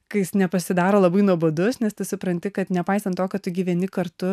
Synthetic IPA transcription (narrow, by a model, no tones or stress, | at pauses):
kɐɪjɪsnʲɛpɐsʲɪd̪ɑːɾoːlˠɐbɐɪnuɔbod̪ʊsnʲɛst̪ɐɪsʊpɾɐnʲt̪ʲɪkɐt̪nʲɛpɐɪsɐnt̪t̪ːoːkʲɐt̪ʊɡʲiːʋʲɛnʲɪkɐɾt̪ʊ